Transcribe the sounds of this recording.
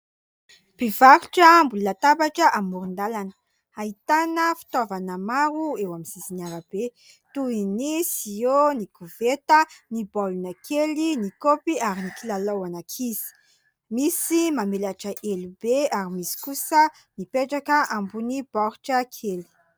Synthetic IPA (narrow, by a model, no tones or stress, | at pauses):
b̥ivaɾuʈ͡ʂəmbulunat̪abaʈ͡ʂəʔamːuɾund̪alanə̥ | ait̪anəfi̥t̪ovanəmaɾuewamiz̥izinaɾəb̥e | t̪uinisionikʰuvet̪ənibalunakʰelinikopiaɾinikilalawanakʰiz̥i̥ | misimamelaʈ͡ʂəʔelubeaɾimisi̥kusə | nipeʈ͡ʂakəʔambunib̥ɔɾuʈ͡ʂəkʰeli̥